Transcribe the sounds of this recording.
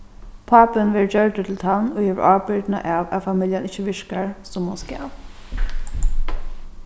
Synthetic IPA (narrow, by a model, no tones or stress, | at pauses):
pʰaːpɪnʋɛːɹd͡ʒœɹtət̪ʰɪlt̪ʰanohɛːʋəɹʔaːpɪɹd̪na̰ʔaːwa̰famɪlʲjanɪt͡ʃːəʋɪʂkaɹsʊmːʊnska̰ːʋ